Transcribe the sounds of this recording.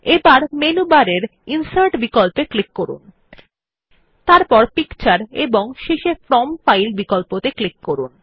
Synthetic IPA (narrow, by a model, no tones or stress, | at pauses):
ebaɾmenubaɾeɾinsaɾʈbikɔlpeklikːoɾṵn | t̪aɾpɔɾpikt͡ɕaɾeboŋʃeʃefɾɔmfajlbikolpot̪eklikːoɾṵn